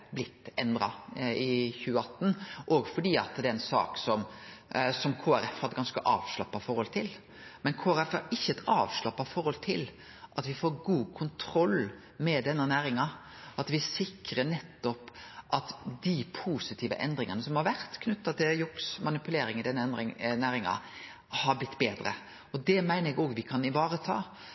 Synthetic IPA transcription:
blɪt̪ːɛnd̪ɾɑɪçʉːəɑt̪ːn̩ʔɔɡfɔɖiːɑt̪d̪ɛɛnsɑ̰ːksɔm | sɔmkʰoːæɾɛfhɑd̪əɡɑnskəʔɑːʋʂɭɑpːɑfɔɾhɔlt̪ʰɪl | mɛnkʰoːæɾɛfhɑɾɪçːəɛt̪ɑːʋʂlɑpːɑfɔɾhɔlt̪ʰɪl | ʔɑt̪ʋɪfoːɾɡuːkʰʊnt̪ʰɾɔlː | mɛd̪ɛnːənæːɾɪŋɑ | ɑt̪ʋɪsɪkɾənɛt̪ːɔpʔɑt̪d̪ipʰuːsɪt̪ʰiːʋə̰ʔɛnd̪ɾɪŋənəsɔmhɑɾʋæɾt̪kʰnʉt̪ːɑt̪ʰɪljʊksmɑnɪpʉleːɾɪŋɪd̪ɛnːəɛnd̪ɾɪŋnæːɾɪŋɑ̰ | hɑɾblɪt̪ːbeːd̪ɾə̰ | ɔd̪ɛmæɪnəɾɛɡoːɡʋɪkʰɑnɪʋɑːɾət̪ʰɑ̰ː

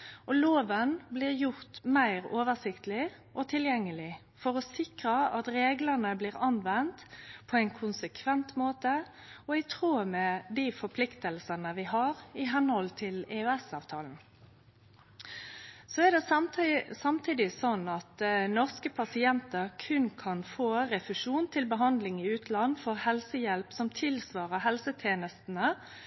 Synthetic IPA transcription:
ʔɔloːʋənblɪːʁjʊʁt̪mæɪʁoːʋəʁsɪkt̪lɪ | ʔɔt̪ʰɪljɛŋːəlɪ | fɔʁɔsɪkʁəɑt̪ɾeːɡlənəbliːʁɑnʋɛnt̪pʰɔæɪnkʰʊnsəkʰʋɛnt̪moːt̪ə | ɔæɪt̪ʰʁuːmɛd̪iːfɔɾpʰlɪkt̪əlsənəʋɪɦɑɾɪɦɛnhɔlt̪ʰɪlɛøːɛsɑːʋt̪ʰɑːln̩ | sɔæʁd̪ɛ | sɑmt̪ʰiːd̪ɪsɔnːɑt̪nɔʁskəpʰɑsɪɛnt̪əɾkʰʉnkʰɑnfoːɾɛfʉʂuːnt̪ʰɪlbəɦɑnd̪lɪŋɪʉːt̪ʰlɑnːfɔʁhɛlsəjɛlpsɔmt̪ʰɪlsʋɑːʁəɦɛlsət̪ʰjeːnəst̪n̩ə

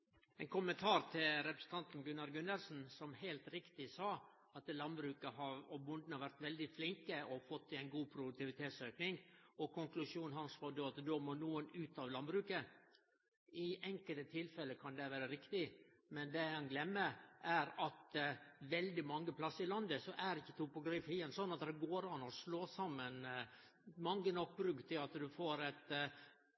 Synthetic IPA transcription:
ɛnkʰʊmənt̪ʰɑːɾt̪ʰɪlɾɛpɾəsn̩t̪ɑnt̪n̩ɡʉnːɑɾɡʉnːəɾsn̩sɔmhæɪlt̪ɾɪkt̪ɪsɑː | ɑt̪lɑnbɾʉːkəɦɑɾɔbʊnd̪n̩ɑʋæɾt̪ʋɛld̪ɪflɪŋkəɔfɔt̪ːɪæɪnɡuːpʰɾʊd̪ʉk̚t̪ɪʋɪt̪ʰeːt̪søːknɪŋɔkʰʊŋklʉʂuːnhɑnsʋɑːd̪oːɑt̪d̪oːmoːnuːənʉːt̪ɑʋlɑnbɾʉːkə | ɪʔɛŋkəlt̪ət̪ʰɪlfɛlːəkʰɑnd̪ɛʋæːɾəɾɪkt̪ɪ | mɛnd̪ɛɑnɡlɛmːəʔæɾɑt̪ʋɛld̪ɪmɑŋːəpʰlɑsːəɾɪlɑnd̪əsɔʔæɾɪçːət̪ʰʊpʊɡɾɪːfɪənsɔnːɑt̪d̪ɛɡoːɾɑnɔsloːsɑmːən | mɑŋːənɔk̚ːbɾʉkt̪ʰɪlɑt̪d̪ʉfoːɾɛt̪

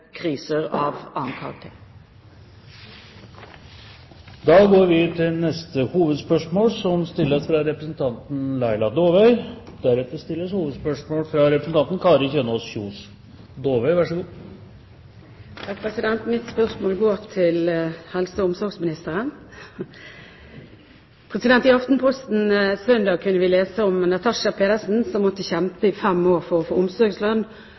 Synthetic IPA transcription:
kʰɾiːsəʁɑːʋɑnkʰɑ̰ɡt̪ʰe | d̪ɑːɡoːɾʋɪt̪ʰɪlnɛst̪əhuːʋəd̪spœʂmoːlsɔmst̪ɪlːəsfɾɑɾɛpɾəsn̩t̪ʰɑnt̪n̩læɪlɑd̪oːʋœʏ | d̪æɾɛt̪əɾst̪ɪlːəshuːʋəd̪spœʂmoːlfɾɑɾɛpɾəsn̩t̪ʰɑnt̪n̩kʰɑːɾəçeːnɔsçuːs | d̪oːʋœʏʋæʂəɡuː | ɑpʰʁɛsɪd̪ɛnt̪mɪt̪spœʁsmoːlɡoːʁt̪ʰɪlhɛlsəʊmsɔɾɡsmɪnɪst̪əʁən | pʰʁɛsɪd̪ɛnt̪ɪɑft̪npʰɔst̪n̩sœnd̪ɑːɡ̚kʰʉnːəʋɪleːsəɔmnɑt̪ʰɑʂɑpʰeːd̪əsn̩sɔmːɔt̪ːəçɛmpəɪfɛmːoːʁfɔʁɔfoːʊmsɔɡslœnː

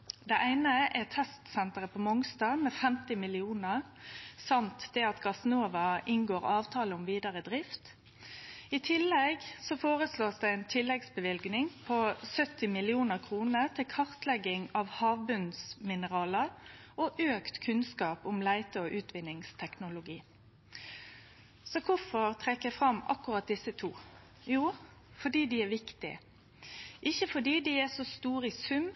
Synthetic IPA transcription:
d̪ɛʔæɪnəʔɛt̪ʰɛst̪sɛnt̪əʁəpʰɔmɔŋst̪ɑːmeːfɛmt̪ɪmɪlɪuːnəʁ | sɑmt̪d̪ɛɑt̪ɡɑsnoːʋɑʔɪnɡoːɾɑːʋt̪ʰɑːləʊmʋiːd̪ɑʁəd̪ʁɪft̪ | ɪt̪ʰɪlːɛɡsɔfoːʁəsloːsd̪ɛæɪnt̪ʰɪlːɛɡsbəʋɪlɡnɪŋpʰosœt̪ɪmɪlɪuːnəʁkʰʁuːnət̪ʰɪlkʰɑʁt̪lɛɡːɪŋɑʋhɑːʋbʉnsmɪnəʁɑːləɾʔoʔøːkt̪kʰʉnskɑːpʊmlæɪt̪əɔːʔʉːt̪ʰʋɪnːɪŋst̪ʰɛknʊlʊɡiː | sɔkʰʊfɔɾt̪ʰɾɛkːəfɾɑmɑ̰kːʊʁɑt̪̚d̪ɪsːət̪ʰuː | juː | fɔɖiːd̪iæʋɪkt̪ɪ̰ | ʔɪçːəfɔɖiːd̪iæsɔst̪uːɾɪsʉm

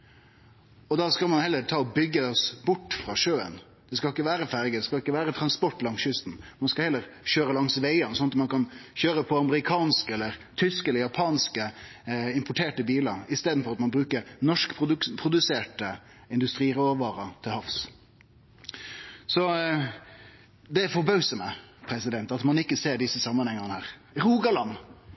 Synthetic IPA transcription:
ɔd̪ɑskɑlmɑnhɛlːəɾt̪ʰɑːɔbʏɡːəɔsbʊʈːfɾɑʂøːə̰n | d̪̥ɛskɑlɪkːəʋæːɾəfæɾɡəd̪ɛskɑlɪkːəʋæːɾət̪ʰɾɑnspɔʈlɑŋsʏst̪n̩mɑnskɑlhɛlːəɾɕøːɾəlɑŋsʋeɪənəsɔnt̪mɑnkʰɑnçøːɾəpʰɔɑməɾɪkʰɑːnskəɛlːəɾt̪ʰʏskɛləɾjɑpʰɑːnskəɪmpʰʊʈʰeːʈəbiːlɑɾɪst̪eːd̪n̩fɔɾɑt̪mɑnbɾʉːkəɾnɔʂkpʰʊpʰɾʊd̪ʉseːʈə | ɪnd̪ʉst̪ɾiːɾoʋɑːɾɑt̪ʰɪlhɑfs | sɔ | d̪ɛæɾfɔbœʉsɔməpʰɾɛsɪd̪ɛnt̪ɑt̪mɑnɪkːəseːɾɖ̪ɪsəsɑmːənhɛŋːənəhæːʁ | ɾuːɡɑlɑn

